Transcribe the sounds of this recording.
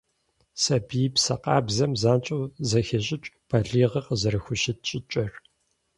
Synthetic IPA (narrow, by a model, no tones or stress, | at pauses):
sɐbiːpsɐqɑ̰ːbzɐmzaːnt͡ʃʼɐwzɐxɐɕʼɪt͡ʃʼb̥ɐɮiːʁɐqəzɐɾɨxʷʊʃɪtt͡ʃʼɪt͡ʃʼɐr